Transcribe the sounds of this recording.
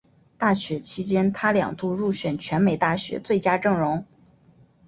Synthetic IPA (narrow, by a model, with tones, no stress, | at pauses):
t̪a˥˩ɕɥɛ˧˥t͡ɕʰi˥t͡ɕjɛ˥nt̪ʰa˥ljɑ̰˨˩ŋt̪u˥˧ɻu˥˩ɕɥɛ˨˩nt͡ɕʰɥɛ˧˥nme˨˩ɪt̪a˥˩ɕɥɛ̰˧˥t͡swe˥˩ɪt͡ɕja˥ʈ͡ʂɤ˥˩ŋɻʊ˧˥ŋ